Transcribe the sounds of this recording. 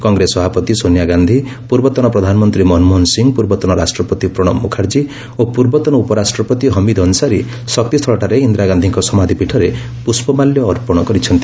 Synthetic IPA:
kɔŋɡɾesɔbʱapɔt̪isonjaɡand̪ʱipuɾbɔt̪ɔñɔpɾɔd̪ʱanɔmɔnt̪ɾimɔnmɔnsiŋɡpuɾbɔt̪ɔñɔɾasʈɾɔpɔt̪ipɾɔɽ̃ɔmːukʰaɾd͡ʒi | opuɾbɔt̪ɔñɔupɔɾasʈɾɔpɔt̪iɦɔmid̪ɔnsaɾi | sɔk̚t̪ist̪ʰɔɭɔʈaɾeind̪ɾaɡand̪ʱiŋkɔsɔmad̪ʱipiʈʰɔɾe | puspɔmaljɔːɾpɔɽ̃ɔkɔɾit͡ʃʰɔnt̪i

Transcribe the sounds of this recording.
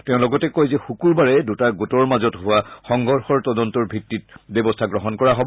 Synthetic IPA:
teʊ̃lɔɡɔtɛkojzɛxukuɹbaɹɛdutaɡotɔɹmazɔtɦʊwaxɔŋɡɔɹxɔɹtɔdɔntɔɹbʱitːit̚bebɔstʰaɡɹɔɦɔnkɔɹaɦobɔ

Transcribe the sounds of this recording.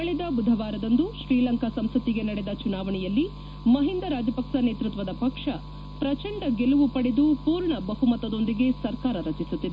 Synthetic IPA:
kɐɭid̪ɐbud̪ʱɐʋaːɾɐd̪ɐnd̪uʃɾiːlɐŋkɐsɐmsɐt̪iɡe̞nɐɽed̪ɐt͡ʃunaːʋɐɳɛjɐlːi | mɐɦind̪ɐɾaːd͡ʒɐpɐkʂɐneːt̪ɾut̪ʋɐd̪ɐpɐkʂɐ | pɾɐt͡ʃɐɳɖɐɡeluʋupɐɽed̪upuːɾɳɐbɐɦumɐt̪ɐd̪o̞nd̪iɡe̞sɐɾkaːɾɐɾɐt͡ʃisut̪ːid̪e

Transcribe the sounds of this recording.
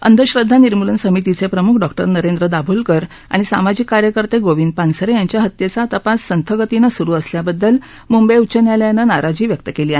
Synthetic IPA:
ə̰nd̪ʱəɕɾəd̪ʱːaniɾmulənsəmit̪it͡sepɾəmukʰɖɔk̚ʈəɾnəɾend̪ɾəd̪abʱuːlkəɾ | a̰ɽ̃isa̰mad͡ʑikːaɾjəkəɾt̪eɡoʋiːnd̪̚pansəɾejaɲt͡ɕjaɦət̪jet͡sat̪əpasːənt̪ʰəɡət̪inəsuɾuːəsljabəd̪ːəl | mumbəjut͡ɕənjaljanənaɾad͡ʑiːʋjək̚t̪əkeliːaɦe

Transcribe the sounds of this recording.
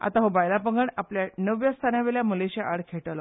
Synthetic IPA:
a̰t̪aɦobajlapəŋɡəɳapljanəʋjəst̪ʰanjaʋeɭjamuleɕaʔaɽkʰeʈəlɔ

